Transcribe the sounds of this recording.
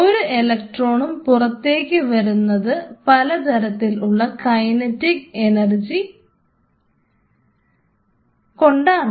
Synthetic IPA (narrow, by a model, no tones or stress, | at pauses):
o̞ɾuʔe̞lɐk̚ʈro̞ːɳumpurɐt̪ːe̞ːkʲːɨʋɐɾunːɐðɨpɐlɐt̪ɐɾɐt̪ːiluɭːɐkɐjnɐtːikenɐrd͡ʑi | ko̞ɳɖaːɳ